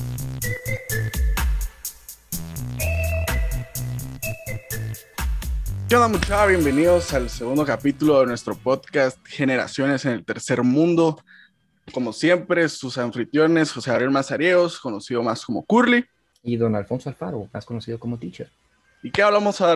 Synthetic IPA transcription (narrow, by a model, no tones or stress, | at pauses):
konðamũt͡ʃawaβje̞mbe̞niðo̞salse̞ɣũnd̪o̞kapit̪ulo̞ðe̞nwe̞st̪ɾo̞po̞ðkast̪xe̞ne̞ɾa̰sjo̞ne̞se̞ne̞lt̪e̞ɾse̞ɾmũnd̪o̞ | ko̞mo̞sje̞mpɾe̞susaɱfɾit̪jo̞ne̞sxoseaβɾjelmasaɾje̞osko̞no̞siðo̞masko̞mo̞kuɾli | iðo̞nalfo̞nsoalfaɾoma̰skonosiðokomot̪it͡ʃe | ikeaβlamosa